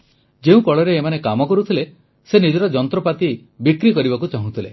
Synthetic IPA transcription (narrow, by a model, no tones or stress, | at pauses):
d͡ʒeũkɔɭɔɾeːmanekamɔkɔɾut̪ʰile | senid͡ʒɔɾɔd͡ʒɔnt̪ɾɔpat̪i | bikɾikɔɾibakut͡ʃaɦũt̪ʰile